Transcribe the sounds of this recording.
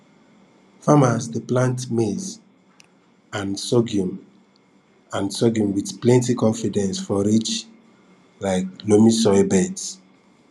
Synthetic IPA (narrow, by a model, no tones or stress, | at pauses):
famasdeplãntmez | ãnsɔɡjũm | ãnsɔɡjũmwidplɛ̃ntikɔ̃nfidɛ̃nsfɔɹit͡ʃ | laɪklomisɔjbɛds